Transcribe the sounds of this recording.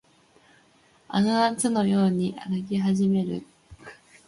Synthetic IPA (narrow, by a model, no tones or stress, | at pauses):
a̰naat͡sɨno̞jo̞ːɲ̟iʔa̰ɡɯk̬ʲiɦaʑime̞ɾɯ̟̰